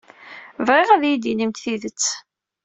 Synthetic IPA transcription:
vʁɪʁæðjid̪inimt̪θiðət͡sː

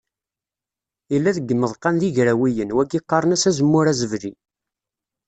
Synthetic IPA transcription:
ilːæðəɡːəmːəðˤqɑnðiʝɾæwijənwæɡiqːɑɾˤənæsæzəmːʊɾæzəvɾi

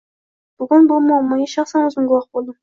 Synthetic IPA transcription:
b̥ʏɡʲɪnbolˠmɑwmɑjeʃɑχsɑnwɵzɡʲɪŋɡʲɪwɑqt̪̚bolˠd̪əm

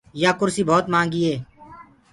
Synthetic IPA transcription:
jaːkʊɾsiːbʱoːt̪mãːŋɡiːeː

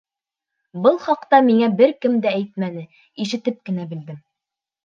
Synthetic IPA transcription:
bɤlˠχɑqt̪ɑmiŋæbɘɾkɘmd̪ææjt̪mænɘ | iʃɘ̆t̪ɘp̚kɘ̆næbɘ̆ld̪ɘm

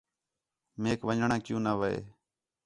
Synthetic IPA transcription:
meːkʋəɲɳãːkjũːnaːʋəḛː

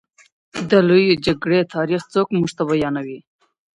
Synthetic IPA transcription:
d̪əlojod͡ʒaɡɽet̪ʰɑːɾiχt͡sokmuʒt̪aβajɑnawi

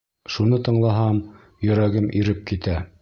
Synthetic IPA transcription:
ʃunɤt̪ɤ̆ɴlˠɑɦɑm | jɵ̆ɾæɡɘmʔiɾɘp̚kit̪æ

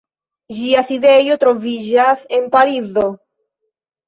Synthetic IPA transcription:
ʒiaθiðejot̪ɾoβiʒaθempaɾiðo

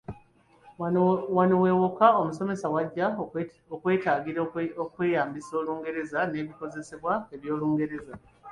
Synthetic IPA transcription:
waniwe̞ːwokao̞muso̞me̞sawaɟːa | okwe̞ːtaːɡiɾokwe̞ːjaːmbiso̞ːluːŋɡe̞ɾe̞zane̞ːβiko̞ze̞seβwaeβjo̞ːluːŋɡe̞ɾe̞za

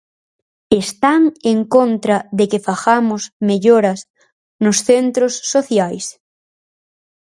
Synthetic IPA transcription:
est̪aŋeŋkont̪ɾɐðekefaxamʊsmeʎoɾɐs | nʊsθent̪ɾosːoθjajs

